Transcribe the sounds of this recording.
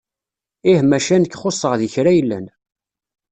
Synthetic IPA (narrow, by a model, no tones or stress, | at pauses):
ɪhmæʃænəkːχosˤːəʁðiçɾæjəlːæ̰n